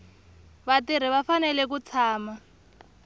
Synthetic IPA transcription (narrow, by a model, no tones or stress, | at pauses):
βatiɾ̤iβafanɛlɛk̬ut͡sʰaːma